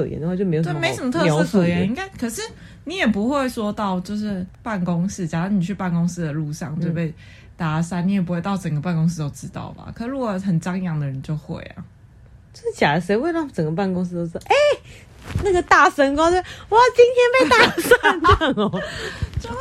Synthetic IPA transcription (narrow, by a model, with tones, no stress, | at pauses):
ɤ˧jɛ̰˧˦nd̪ə˧wa˥˧jo˥˩m˧˥˧j̪me˧˥ɪ˥ʂə˨˩mə˧t̪ʰɤ˥˧ʂ̩˧˥˧kʰɤ˨˧˩jɛ˧˥ni˥ŋka˥ɪkʰɤ˨˩ʂɻ̩˥˩ | ni˨˦jɛ˨˩pu˧˦xwe˥˩ɪswɔ˥t̪ɑ˥˨ʊt͡ɕjo˥˧ʊʂɻ̩˥˧pa˥˩nkʊ˥ŋs̩˥˩t͡ɕa˨˩a˥ŋni˨˩t͡ɕʰy˥˧pa˥˩nko˥ŋs̩˥˧d̪ə˨lu˥˧ʂɑ̰˥˨ŋwe˥˧pe˥˩ɪ | t̪a˧sa˥ni˨˦jpu˧˦xwe˥˧ɪt̪ɑ˥˩ʊʈ͡ʂə˨˩ŋɡə˩pa˥˩nkʊ˥ŋs̬̩˥˧t̪o˥ʊʈ͡ʂɻ̩˦t̪ɑ̰˥˩ʊma̰˨˩kʰɤ˨˩ʂ̩˥ɻu˥ɡɔ˨˩xə˨˩nʈ͡ʂɑ˥ŋ˧jɑ˥˩ŋd̪ə˩ɻə˧˦nt͡ɕjo˥˧ʊxwḛ˥˩ɪɐ̰˩ | t͡ɕo˥˧ʊʂɻ̩˥˩t͡ɕja˨˩˧ʂe˧˥ɪwe˥˧ɪlɑ˥˩ŋʈ͡ʂə˨˩ŋɡə˩p̬a˥˩nkʊ˥ŋs̩˥t̪o˥ʊ˥˧ɑ˥˧ʔe˥˩ | na˥˩ɡə˩t̪a˥˩ʂə˥ŋkwwɔ˨˦˥t͡ɕi˦˥nt̪ʰjɛ˥npe˥˩ɪt̪a˥sa˥n˥˩ŋɔ˨˩t͡ɕo˥˧